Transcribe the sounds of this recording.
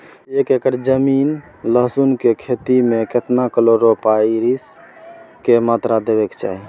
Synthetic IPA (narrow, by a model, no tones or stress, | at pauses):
ekekəɾd͡ʒəmin | ləɦsunkekʰet̪imeket̪nakəloɾopaiɾis | kemat̪ɾad̪ebekt͡ʃa̰ːɦi